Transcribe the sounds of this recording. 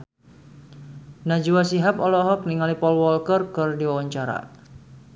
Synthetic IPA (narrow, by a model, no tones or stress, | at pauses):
nad͡ʒuwasiɦapɔlɔɦɔk̚niŋalipɔlwɔlkərkɨrdiwawaɲt͡ʃaɾa̰